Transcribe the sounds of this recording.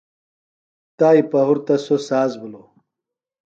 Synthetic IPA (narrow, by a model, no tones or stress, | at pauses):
t̪aːipɐɦuɾt̪ɐsosaːzbulo